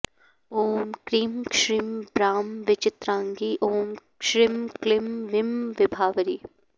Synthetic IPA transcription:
oːmkɾiːmkʃɾimbɾaːmʋɪt͡ʃɪt̪ɾãːŋɡiːʔoːm | ʃɾimklɪmʋɪmʋɪbʱaːʋəɾiː

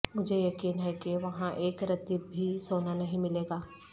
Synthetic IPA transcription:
mʊd͡ʒʱejɐkiːnɦɛkeʋɐɦãʔeːkɾɐt̪ibʱisoːnanɐɦĩmɪleːɡaː

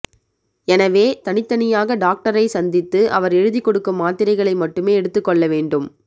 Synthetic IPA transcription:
ɛnɐʋeːt̪ɐnɪt̪ːɐnɪjaːɣɐɖaːk̚ʈɐɾɐɪsɐnd̪ɪt̪ːɯʔɐʋɐɾɛɻɯðɪkːɔɽɯkːɯmːaːt̪ɪɾɐɪɣɐɭɐɪmɐʈːɯmeːɛɽɯt̪ːɯkːɔɭːɐʋeːɳɖɯm

